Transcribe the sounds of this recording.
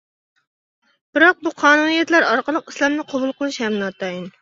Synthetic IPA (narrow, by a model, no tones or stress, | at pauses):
b̥ɪɾɑq̚buqʰɑːnunijɛt̪læɾɑɾqəlˠəqislˠɑmnɨqʰɑbulˠqʰəlˠɨʃhɛmnɨɑt̪ɑjin